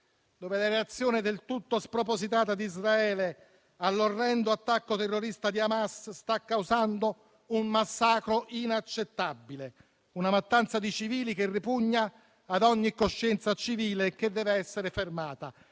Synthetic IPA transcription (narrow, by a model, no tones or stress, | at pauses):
d̪oːvelaɾeat̪sːjoːnɪd̪elt̪ut̪ːospɾopozit̪aːt̪ad̪izraɛːle | alːorːɛnd̪oat̪ːakːot̪erːoɾist̪ad̪iamasst̪akːawzand̪o | ummasːaːkɾoʔinat͡ʃːet̪ːabːile | unamat̪ːant̪sad̪it͡ʃiviːlikerːipuɲːaː | d̪ɔɲːikːoʃːɛnt̪sat͡ʃiviːlek̟ed̪ːɛːveɛsːeɾefermaːt̪a